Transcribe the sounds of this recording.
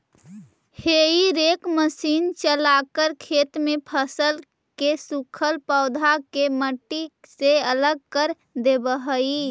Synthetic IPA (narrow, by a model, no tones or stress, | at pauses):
heiɾekməsiːnt͡ʃəlakəɾkʰet̪mepʰəsəl | kesukʰəlpəʊd̪ʱakeməʈːiseələɡ̚kəɾ | d̪ebəɦəi